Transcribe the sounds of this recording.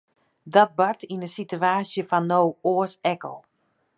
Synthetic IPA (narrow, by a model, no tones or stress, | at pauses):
dɔt̚bartʰinənsityaːsjəfɔnːowoəsɛkə̰lˠ